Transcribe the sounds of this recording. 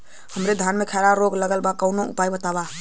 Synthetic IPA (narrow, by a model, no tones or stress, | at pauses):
həmɾed̪ʱanmekʰaɾaɾoɡləɡəlbakəwnoʔṵpajbət̪aba